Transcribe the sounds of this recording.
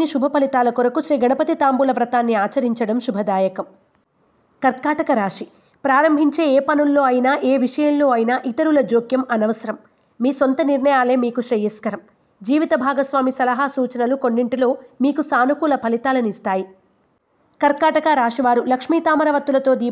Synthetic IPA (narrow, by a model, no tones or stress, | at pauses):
niʃubʱɐpɐlit̪aːlɐkoɾɐkuʃɾiːɡɐɳɐpɐt̪it̪aːmbulɐʋɾɐt̪aːnːiaːt͡ʃɐɾiɲt͡ʃɐɽɐmʃubʱɐd̪aːjɐkɐm | kɐɾkaːʈɐkɐɾaːʂi | pɾaːɾɐmbʱiɲt͡ʃe̞ːeːpɐnunːo̞ːɐjinaːʔeːʋiʂɐjɐmlo̞ːɐjinaːʔit̪ɐɾulɐd͡ʒoːkjɐmɐnɐʋɐsɐɾɐmː | iːsont̪ɐniɾɳɐjaːle̞ːmiːkuʃɾiːjɐskɐɾɐm | d͡ʒiːʋit̪ɐbʱaːɡɐsʋaːmisɐlɐɦaːsuːt͡ʃɐnɐluko̞nːiɳʈilo̞ːmiːkusaːnukuːlɐpɐlit̪aːlɐnist̪aːji | kɐɾkaːʈɐkaɾaːʂiʋaːɾulɐkʂmiːt̪aːmɐɾɐʋɐt̪ːulɐt̪o̞ːd̪iː